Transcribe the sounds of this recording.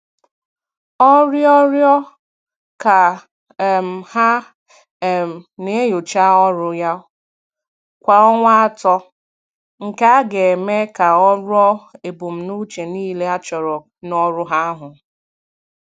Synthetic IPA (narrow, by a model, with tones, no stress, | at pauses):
ɔ˦ɾjɔ˦ɾjɔ˦ | ka˨ | m̩˨ha˦˨ | m˨ne˨˦jo˨t͡ʃa˦ɔ˦ɾʊ˦ja˦ | kʷa˨ɔ˦ŋʷa˦a˦tɔ˦ | ŋ̩˨ka˦a˦ɡe˨me˦ka˨ɔ˦ɾʊ˦ɔ˦e˨bu˨m̩˨nu˦t͡ʃe˨niː˦le˦a˦t͡ʃɔ˨ɾɔ˨ | nɔ˦ɾʊ˦ɦa˦ɦʊ˨